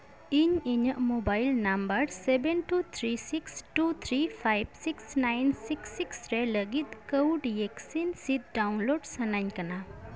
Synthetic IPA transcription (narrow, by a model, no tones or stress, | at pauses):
iɲiɲəʔmobajlnambəɾsebenʈut̪ʰɾisiksʈut̪ʰɾipʰajbsiksnajnsiksiksɾɛləɡit̪̚kəwɖieksinsit̪̚ɖawnloɖsanaɲkana